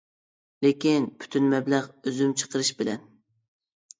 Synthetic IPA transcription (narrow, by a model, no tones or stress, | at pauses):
lekʲinpʰy̥t̪ʰynmɛblæʁøzymt͡ʃʰə̥qʰəɾɨʃbɪlɛ̰n